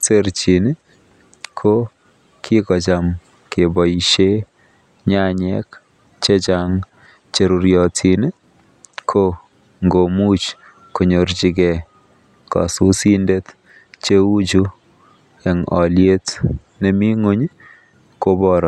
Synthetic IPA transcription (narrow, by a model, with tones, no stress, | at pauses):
te˦ɾt͡ʃi˨n˦ | kʰo˦ | kʰi˦kɔ˨t͡ʃa˨m | ke˨bɔ˨iʃe˦ | ɲa˦ɲɛ˦k | t͡ʃe˦t͡ʃa˦ŋ | t͡ʃe˨˦ɾu˨ɾjɔ˨tʰi˨n˦ | kʰo˦ | ŋɡo˨mu˦t͡ʃ | ko˨ɲo˨ɾd͡ʒi˧ɡɛ˨ | kɔ̰˨su˦si˦nde˦t | t͡ʃe˦u˦d͡ʒu˦ | ɛ˨ŋɔ˨lje˦t | nɛ˨mi˦ŋo˦ɲ | ko˦bɔɾɔ˨